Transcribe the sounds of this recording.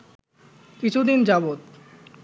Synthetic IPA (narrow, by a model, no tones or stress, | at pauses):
kit͡ɕʰud̪ind͡ʑabot̪̚